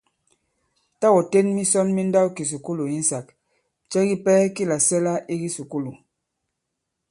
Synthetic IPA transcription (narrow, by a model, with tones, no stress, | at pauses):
ta˦wɔ˨te˦nmi˦sɔ˦nmi˦n˦da˦wki˨s̬u˨ku˦lu˨i˦n˦sa˨k̚ | t͡ʃɛ˦ɡi˦pɛː˦ki˦la˨sɛ˦la˦i˦ɡi˦su˨ku˦lu˨